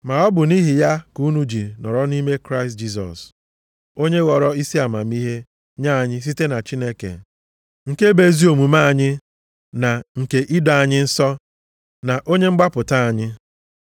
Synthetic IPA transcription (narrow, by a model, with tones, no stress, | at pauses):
ma˨ɔ˦bʊ˨ni˦ɦi˨ja˦ku˨˦nu˦d͡ʒi˨nɔ̰˨ɾɔ˦ni˦me˦kɾa˦ɪ˨st̚d͡ʒi˦s̬ɔ̰˨s | o˦ɲe˦ɣɔ˨ɾɔ˦i˦si˦a˨ma˨mi˦ɦe˦ | ɲa˦a˨ɲɪ˦s̬i˦te˦na˨t͡ʃi˦ne˦kḛ˨ | ŋ̩˨ke˦be˦zi˦o˨mu˨ma˦a˨ɲɪ˦ | na˨ŋ̩˨ke˨ʔi˦dɔ˨a˨ɲɪ˦n̩˦sɔ˦ | na˨ʔo˦ɲe˦ŋ͡m̩˦ɡ͡ba˦pʊ˨ta˦a˨ɲɪ˦